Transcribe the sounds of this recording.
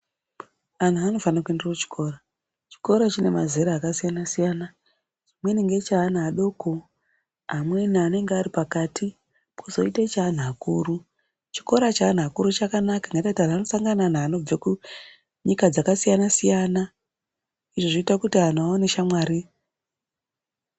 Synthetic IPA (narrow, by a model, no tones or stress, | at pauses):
an̤uano̞fanakue̞nderwat͡ʃi̥kʰo̞ɾa | t͡ʃi̥ko̞ɾat͡ʃine̞mazeɾaːkasijanasijana | t͡ʃimweniŋɡet͡ʃaːn̤aːɗo̞ːko | amwenaːne̞ŋɡeaɾipakatʰi | pʰozo̞̰itet͡ʃaːn̤akuːru | t͡ʃi̥ko̞ɾat͡ʃaːn̤akuɾut͡ʃakanakaŋɡaitautaraano̞saŋɡananaːno̞b͡veku | ɲikad͡zakasijanasijana | iʐo̞ʐiitakutian̤aoneʃamwaːɾi